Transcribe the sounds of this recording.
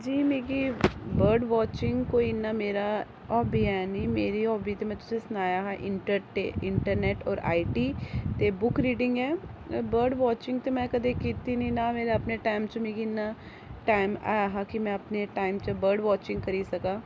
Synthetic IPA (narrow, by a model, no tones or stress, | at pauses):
d͡ʒiːmeːɡiːbəɾɖʋɔːt͡ʃɪ̃ŋɡkoːiɪnːaːmeːɾaː | ɔːbiːɛːnimeːɾiɔːbiːt̪emɛ̃ːt̪ʊsẽsʊnaːjaɦɛːʔɪɳʈəɾʈeɪɳʈəɾnɛːʈɔ̰ːɾa̰ːiʈiːt̪ebʊkɾiːɖɪ̃ŋɡɛːbəɾɖʋɔːt͡ʃɪ̃ŋɡt̪emɛ̃ːkəd̪ekiːt̪inĩːnaːmeːɾeəpneʈaːɪmt͡ʃomeːɡinːaː | ʈaːɪma̰ːjɦakimɛ̃əpneʈaːɪmt͡ʃəbəɾɖʋɔːt͡ʃɪ̃ŋɡ̚kəɾiːsəkaː